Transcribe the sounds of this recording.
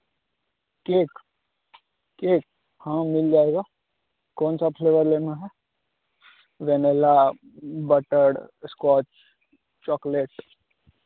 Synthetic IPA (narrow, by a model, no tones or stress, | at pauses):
keːk | keːk | hãmɪld͡ʒaːeːɡaː | kɔːnsapʰleːʋəɾleːnaɦɛ | ʋɛnela | bəʈəɽskwɔːt͡ʃ | t͡ʃɔːkleʈ